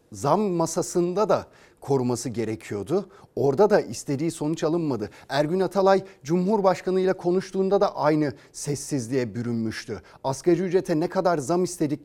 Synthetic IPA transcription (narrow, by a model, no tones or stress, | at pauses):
zamːasasɯnd̪ad̪a | kʰo̞ɾumasɯɟe̞ɾecʰijo̞d̪ʊo̞ɾd̪ad̪aʔist̪ʰe̞d̪iːso̞nut͡ʃʰalˠɯnmad̪ɯæɾɟynat̪ʰalˠajd͡ʒumɦuɾbaʃkʰanɯjlˠakʰo̞nuʃt̪ʰuːnd̪ad̪aʔajnɯ | sɛsːizlʲijɛbyɾynmyʃt̪ʰy | askad͡ʒyyd͡ʒɾet̪ʰɛnɛkʰad̪aɾzamist̪ʰe̞d̪ic